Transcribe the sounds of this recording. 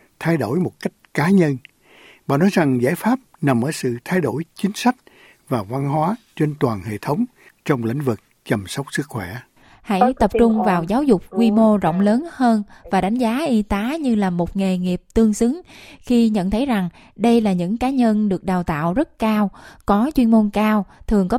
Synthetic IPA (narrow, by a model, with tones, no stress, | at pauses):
t̪ʰa˧jɗo˧˩jmo˨˩t̚ka˦˥jk̟̚kaː˨˦ɲə˧n | ɓa̰ː˧˨nɔ˨˦jza˨˩ŋza̰ː˧˥jfaː˦˥p̚na˨˩mʔəː˧˩sɨ̰˧˨t̪ʰa˧jɗo˧˩jt͡ɕï˨˦ŋ̟sa˦˥jk̟̚ | vaː˨˩va˧nɦwaː˨˦t͡ɕe˧nt̪waː˨˩nhḛ˧˨t̪ʰə˨˦wŋ͡m | t͡ɕɔ˧wŋ͡mlḭ˧˥ŋ̟vɨ˨˩k̚ | t͡ɕə˨˩msə˦˥wk͡p̚sɨ˦˥k̚xwɛ˧˩ | ha̰˧˥jt̪ə˨˩p̚t͡ɕʊ˧ŋ͡mvaː˨˩wzaː˨˦wzʊ˨˩k͡p̚kwi˧mo˧zɔ̰˧˨wŋ͡mləː˨˦nhəː˧nvaː˨˩ɗa˨˦jŋ̟zaː˨˦ʔi˧t̪aː˨˦ɲɨ˧laː˨˩mo˨˩t̚ŋe˨˩ŋi˨˩əp̚t̪ɨ˧əŋsɨ˨˦ŋxi˧ɲə̰˧˨nt̪ʰə˨˦jza˨˩ŋ | ɗə˧jlaː˨˩ɲɨ̰˧˥ŋkaː˨˦ɲə˧nɗɨ˨˩ək̚ɗaː˨˩wt̪a̰ː˧˨wzə˦˥t̚kaː˧wkɔ˨˦t͡ɕwi˧ənmo˧nkaː˧wt̪ʰɨ˨˩əŋkɔ˨˦